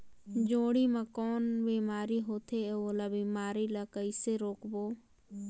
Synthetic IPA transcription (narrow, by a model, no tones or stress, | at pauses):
d͡ʒoːɽimãkɔːnbiːmaːɾiɦoːt̪ʰeoːlabiːmaːɾilakəɪseɾoːkboː